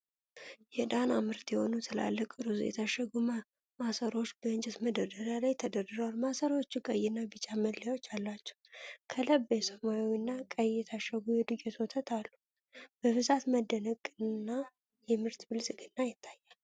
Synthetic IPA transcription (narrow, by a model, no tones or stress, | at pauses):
jɛd̪anamɨɾt̪jɛho̞nut̪ʰəla̰lːəkʼɨɾuzṵjɛ̰t̪ʰaʃəɡumə | masəɾo̞t͡ʃːbəɨnd͡ʒɛt̪məd̪əd̪əɾjalajt̪ʰəd̪ədɨɾəwalmasəɾwot͡ʃːukʼəjɨnːabɨt͡ʃʼaməllawot͡ʃːalːat͡ʃːɛ̥wkʰələbesəmajownːakʼəjɛt̪ʰaʃəɡujɛd̪ɨɡet̪wot̪ʰət̪ʰalːu | b̥əbɨzat̪məd̪ːənəkʼɨnːa | jɛmɨɾt̪bɨlsʼɨɡɨnːajɪt̪ʰːajal